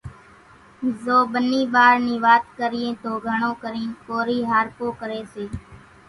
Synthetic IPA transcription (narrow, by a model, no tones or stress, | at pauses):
zoːɓəniːɓaːɾniːʋaːt̪̚kəɾɪjẽːt̪oːɡʱəɳõːkəɾĩːnkoːɾiːɦaːɾpoːkəɾeːseː